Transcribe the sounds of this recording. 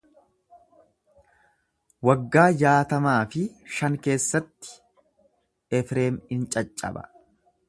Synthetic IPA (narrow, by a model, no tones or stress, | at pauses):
wɐɡːaːjaːt̪ɐmaːfɪʃɐŋke̞ːsːɐt̪ːɪ̥ | ɛfɾe̞ːmɪnt͡ʃʼɐt͡ʃʼːɐ̰bɐ̰